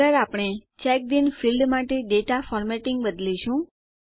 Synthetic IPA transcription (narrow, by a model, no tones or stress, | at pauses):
əɾapɽ̃et͡ʃɛk̚d̪infilɖmaʈeɖeʈafɔɾmɛʈɪ̃ŋɡbəd̪liʃũ